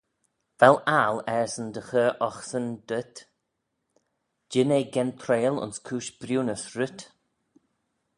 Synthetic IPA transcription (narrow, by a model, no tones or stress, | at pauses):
vɛlaːlɛɹsənd̪əxəʔɔxsənd̪ət̪ | d͡ʒɪneːɡɛnt̪ʰɾeːlʊ̰nskʰuːʃb̥ɾjuːnəsɹʊt̪